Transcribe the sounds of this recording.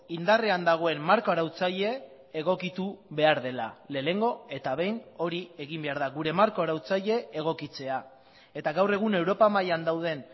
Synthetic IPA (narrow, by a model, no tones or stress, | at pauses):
ind̪areand̪aɣ̞o̞e̞mmaɾkooɾawt͡saʎe̞ː | ɣ̞o̞kit̪uβe̞aɾðe̞la̰le̞le̞ŋɡo̞e̞t̪aβ̞e̞jno̞ɾie̞ɣimbeaɾðaɣuɾe̞maɾkooɾawt͡saʎe̞eɣ̞o̞kit͡se̞a | e̞t̪aɣawre̞ɣ̞une̞wɾo̞pamajand̪awð̞e̞n